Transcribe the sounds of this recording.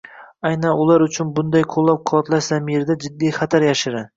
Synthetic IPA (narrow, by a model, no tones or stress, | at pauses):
ajnanʊlaɾʊt͡ʃʰʊnbʊnd̪ajqʰolˠːap̚qʰoɒt̪laʃz̥amiɾd̪ad͡ʒɪd̪ːijχɑt̪ʰaɾjaʃɪɾa